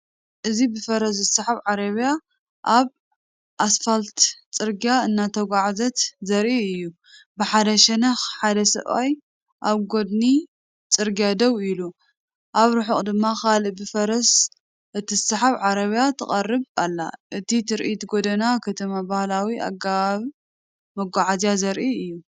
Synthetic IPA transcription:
ʔɨzibɨfɐɾɐs̬zɨsɐħaβʕaɾɐβja | ʔaβ | ʔasfalt̪t͡sʼɨɾɡijaɨnːat̪ʰɐɡʷaʕzɐt̪zɐɾʔiɨjːu | bɨħad̪ɐʃɛnɐxħad̪ɐsɐ̰ʔa̰j | ʔaβɡo̞d̪ni | t͡sʼɨɾɡijad̪ɐwilu | ʔaβɾɨħɨχʼd̪ɨmːakalɨʔbɨfɐɾɐs | ʔɨt̪ʰizsɐħaβʕaɾɐβjat̪ʰɨχʼɐrːɨβalːa̰ʔɨt̪ʰit̪ʰɨɾʔit̪ɡod̪ɐnakʰɐt̪ʰɐmabahlawiʔa̰ɡaβaβ | mɐɡʷaʕazjazɐɾʔiɨjːu

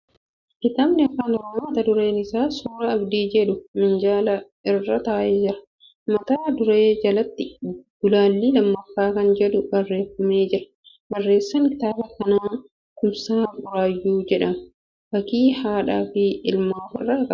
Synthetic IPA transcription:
kɪt̪aːbnɪɐkːaːnɔɾoːmɐmɐt̪ɐd̪ʊɾe̞ːnɪsaːsuːɾɐːbd̪iːd͡ʒɛᶑʊmɪnd͡ʒaːlɐ | ɪrːɐt̪aːʔeːd͡ʒɪɾɐ̥ | mɐt̪aːd̪ʊɾeːd͡ʒɐlɐt̪ːɪɡ̥ʊlaːlːɪlɐmːɐfːaːkɐnd͡ʒɛᶑʊbɐrːe̞ːfːɐmeːd͡ʒɪɾɐ̥ | bɐrːe̞ːsːɐŋkɪ̥t̪aːbɐkɐnaːn | kʊmsaːbʊɾaːjːuːd͡ʒɛᶑɐmʊ | bɐkiːhaːᶑaːfɪɪlmaːfɪ̰rːɐkɐ

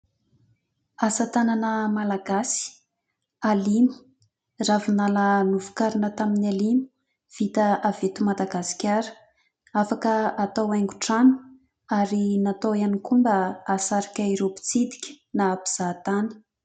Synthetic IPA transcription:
asət̪ananəmalaɡasi̥ | alimi̥ | ravunalənuvu̥kaɾinət̪aminalimi̥ | v̥it̪əavet̪umad̪aɡasi̥kʲaɾə̥ | afakəat̪awajŋɡuʈ͡ʂanu̥ | aɾinat̪owanikumbəasaɾikʲaiɾopi̥t͡sid̪i̥kʲə̥ | naːpi̥z̥aːt̪anə̥

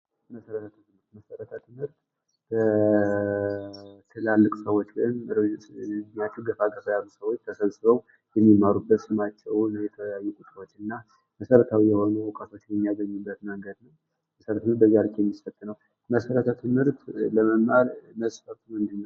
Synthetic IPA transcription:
məsəɾət̪ʰat̪ʰɨɨmhɨɾt̪məsəɾət̪ʰət̪ʰɨmhɨɾt̪ | b̥ə | t̪ʰɨlalːɨkʼsəwot͡ʃːlɨɨn | ɲat̪ɨɡəfaɡəfəjalːusəwo̞t͡ʃːt̪ʰəsəβsɨβəw | jɛmːimaɾubːət̪sɨmat͡ʃːɛwnjɛt̪ʰəjajːukʼusʼəwot͡ʃːɨnːa | məsəɾət̪ʰawijɛho̞nuwɔkʼat̪ʰot͡ʃːnjɛmːijaɡəɲːɨbːət̪məŋɡəd̪nəw | məsəɾt̪ɨmɨɾt̪bəzaɾɨkʰʼjɛmːisət̪ʼːɨnəw | məsəɾət̪ʰat̪ʰɨmhɨɾt̪ləməmʔalməsʼfət̪ʰumɨnd̪ɨnːəw

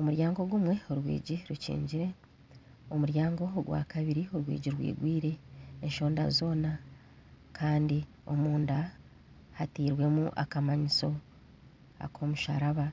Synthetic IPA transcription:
omuɾjaːŋɡo̞ɡumwe̞oɾwḭːɟiɾucḭːɲɟiɾe̞ | omuɾjaːŋɡo̞ɡwa̰ːkaβiɾioɾwḭːɟiɾwḭːɡwiːɾe̞ːɲʃo̞ːnda̰zo̞ːna | kʰaːndi | o̞̰muːnda | hatiːɾwe̞muʔakamaɲiso̞ | a̰kʰo̞muʃa̰ɾaβa

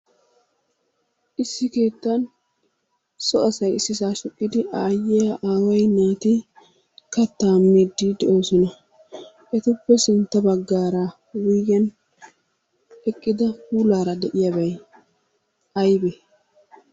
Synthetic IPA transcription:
ʔɪsːɪke̞ːt̪ːɐn | sɔɐsɐjɪsːɪsaːʃɔkʼːɪd̪ɪʔaːjːejɐʔaːwɐjnaːt̪ɪ | kɐt̪ːaːmːiːd̪ːid̪ɛʔoːsɔnɐ | ʔɛt̪ʊpːɛsɪnt̪ːɐbɐɡːaːɾa | wijɡɐn | ɛkʼːɪd̪ɐhuːlaːɾɐd̪ɛʔɪjabɐj | ɐjbɛ

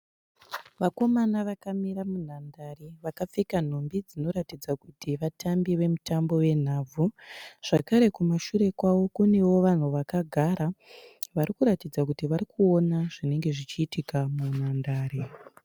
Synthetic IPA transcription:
ʋako̞manaʋakamiɾamun̤andareʋakap͡fekan̤ombid͡zino̞ɾatid͡zakutiʋatʰambiʋe̞mutambo̞we̞n̤aːb͡vʱuʐ̥akaɾe̞kumaʃuɾe̞kwawo̞kune̞wo̞ʋan̤uʋakaɡʱaɾaʋaɾikuɾatid͡zakutiʋaɾikʰuo̞naʐine̞ŋɡe̞ʐit͡ʃiːtikamun̤andaːɾe

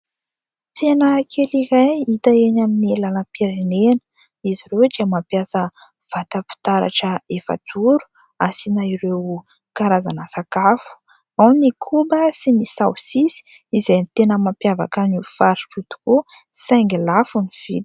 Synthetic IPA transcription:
t͡senəkʰeliɾajit̪əenaminilalapiɾenenə̥ | iziɾewd̪iəmapjasə | v̥at̪əpi̥t̪aɾa̰ʈ͡ʂəefə̰d͡zuɾu̥ | asinaiɾew | kaɾaza̰nəsakafu̥ | awnikʰubəsinisawsisi̥ | izejnit̪enəmampjava̰kanifaɾiʈ͡ʂut̪u̥kusaŋɡilafuniv̥id̪

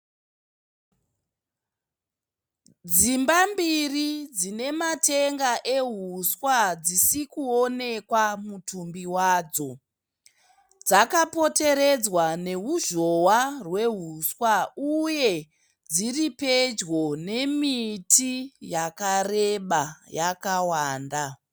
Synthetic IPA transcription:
d͡zimbambirid͡zine̞mate̞ŋɡaʔe̞ɦuswad͡zisikuo̞ne̞kwamutumbiwaːd͡zo̞ | d͡zakapo̞te̞ɾe̞d͡zwane̞ɦuʒo̞warwe̞ɦuswauje̞ | d͡ziripe̞d͡ʒɣo̞ne̞mitijakareɓajakawaːnda

